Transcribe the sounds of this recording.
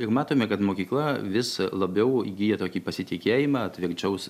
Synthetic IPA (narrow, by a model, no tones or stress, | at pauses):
ɪɾmɑːt̪oːmʲɛkɐt̪moːkʲiːklˠɐʋʲɪslˠɐbʲɛʊiɡʲiːjɛt̪oːkʲiːpɐsʲɪt̪ʲɪkʲeːjimɑːɐt̪ʲʋʲɪɾʲt͡ʃʲɛʊs